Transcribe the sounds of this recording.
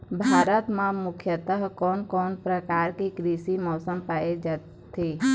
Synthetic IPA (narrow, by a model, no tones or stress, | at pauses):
bʱaːɾət̪mãmʊkʰjət̪əɦkɔːnkɔːnpɾəkaːɾkikɾiːʃimɔːsəmpaːed͡ʒa | t̪ʰeː